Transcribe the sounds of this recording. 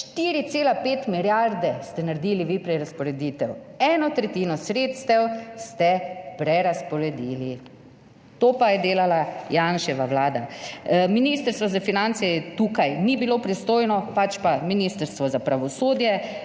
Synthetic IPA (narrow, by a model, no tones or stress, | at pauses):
ʃt̪iɾit̪seːlapeːt̪miljaɾd̪ɛst̪ɛnaɾd̪iːliʋipɾɛɾaspɔɾɛd̪iːt̪ɛwɛːnɔt̪ɾɛt̪iːnɔsɾeːt̪st̪ɛwst̪ɛpɾɛɾaspɔɾɛd̪ili | t̪oːpajɛd̪eːlalajaːnʃɛʋaʋlaːd̪aminist̪əɾst̪ʋɔzafinant̪sɛt̪uːkajnibiloːpɾist̪oːjnɔpat͡ʃpaminist̪əɾst̪ʋɔzapɾaʋɔsoːd̪jɛ